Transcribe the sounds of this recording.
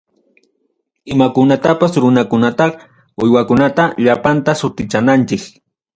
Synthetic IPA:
ɪmakʊnat̪apasɾʊnakʊnat̪ɑk | ʊjwakʊnat̪aʎapant̪asʊt̪ɪt͡ʃanant͡ʃɪk

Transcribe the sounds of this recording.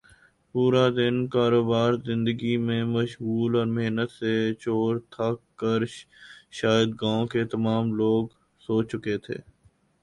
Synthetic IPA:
puːɾad̪ɪnkaːɾoːbaːɾzɪ̃nd̪əɡimẽmɐʃɣuːlɔːɾmeɦnət̪set͡ʃoːɾt̪ʰakːəɾ | ʃaːjəd̪̚ɡãːõket̪ɐmaːmloːɡ | soːt͡ʃʊket̪ʰḛː

